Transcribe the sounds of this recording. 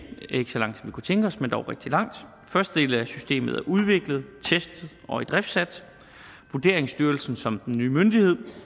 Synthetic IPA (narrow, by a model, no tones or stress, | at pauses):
e̝ɡ̥əsɒlɑ̈ŋ̰̥sɒmʋikut͡sʰeŋɡ̥əɒ̽smend̥ɒʊʁeɡ̥d̥ilɑ̈ŋ̰d̥ | fɶɐsd̥əd̥e̝̰ːləæsysd̥e̝̰ːməð̞̩ˠæɐʔuð̞ˠʋe̝ɡ̥ləð̞̩ˠt͡sʰesd̥ð̩ˠɒ̽ed̥ʁɛfd̥sæd̥ | ʋud̥e̝ɐeŋsd̥yɐlsn̩sɒ̽md̥enːyːmønd̥ihe̝ð̞̰ˠ